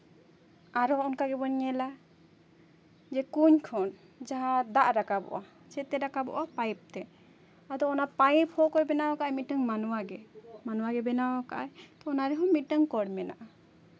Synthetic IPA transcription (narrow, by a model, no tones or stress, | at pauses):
aɾɔɔnkaɡɛbɔɲɛla | d͡ʒɛkuɲkʰɔn | d͡ʒaɦãd̪aʔɾakabɔ̰ʔa | t͡ʃɛt̪ɛɾakabɔ̰ʔapajp̚t̪ɛ | ad̪ɔɔnapajp̚hɔkɔɾbɛnawakaʔajmiaŋmanuwaɡɛmanuwaɡɛbɛnawakaʔajt̪ɔɔnaɾɛɦɔmiʈaŋkɔɾmɛna̰ʔa